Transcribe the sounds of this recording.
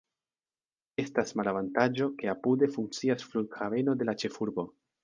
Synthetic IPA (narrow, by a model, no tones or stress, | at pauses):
e̞stasmalavantad͡ʒo̞ke̞apude̞fuŋk̚t͡siasfluɾkxave̞no̞d̪e̞lat͡ʃe̞fuɾbo̞